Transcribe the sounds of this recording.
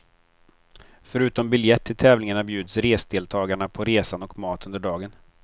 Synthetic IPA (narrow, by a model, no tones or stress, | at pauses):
fœɾʉ̟ːt̪ɔmbɪljɛt̪ʰːɪlt̪ʰɛːvlɪŋaɳabjʉ̟ːd̪sɾeːsd̪eːlt̪ʰɑːɡaɳapʰɔɾeːsanɔkmɑːt̪ɵnd̪əɖɑːɡən